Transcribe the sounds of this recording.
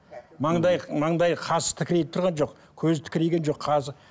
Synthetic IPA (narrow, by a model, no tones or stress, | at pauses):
mɑɴd̪ɑjmɑɴd̪ɑjqʰɑsə̥t̪ʰɪkʲɪɾet̪ɪt̪ʊɾʁɑnʒo̞q | kʲʰɵzt̪ʰɪ̥kʲɪɾejɡʲe̞nʒo̞qʰɑzɪ